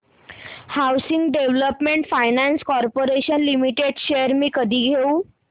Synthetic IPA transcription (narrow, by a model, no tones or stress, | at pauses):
hawsiŋɡɖeʋləpmeɳʈfajnãnskɔɾpoɾeɕənlimiʈeɖɕeəɾmiːkəd̪ʱiːɡʱeũː